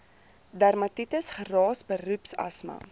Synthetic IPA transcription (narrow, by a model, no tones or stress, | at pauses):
dærmɐtitəsχərɑːsbərʉpsɐ̰smɐ̰